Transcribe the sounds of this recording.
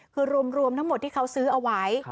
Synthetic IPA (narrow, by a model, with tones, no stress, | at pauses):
kʰɯː˧ɾu˧əmɾu˧əmt̪ʰa˦˥ŋmo˨˩t̪̚ːʰiː˥˩kʰa˦˥wsɯː˦˥ʔa˧wa˦˥j